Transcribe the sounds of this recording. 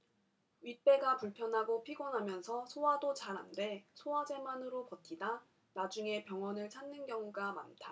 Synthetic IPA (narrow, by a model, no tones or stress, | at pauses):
ɥit̚p͈e̞ɡapuɭpʰjʌnɦaɡopʰiɡwʌnɦamjʌnsʰʌsʰowadot͡ɕaɾɦande̞sʰowad͡ʑe̞manɯɾopʌtʰida | nad͡ʑuŋe̞pjʌŋwʌnɯɭt͡ɕʰanːɯnɡjʌŋuɡama̰ntʰa